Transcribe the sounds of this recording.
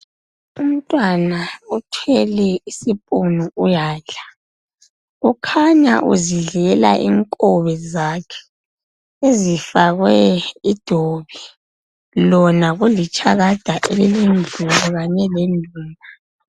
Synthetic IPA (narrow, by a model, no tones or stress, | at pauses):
um̩tʼwanautʰɛlɛisipʼunuujaːɮḁ | ukʰaɲa̰ʔṵziɮɛla̰ʔḭŋkʼɔβɛzakʰɛ̥ | ezifaɣwɛid̥ʱoβi | lɔnaɣulit͡ʃʼaɣad̥ʱaʔelilind͡ɮʱulɔɣaɲɛlendʱuːla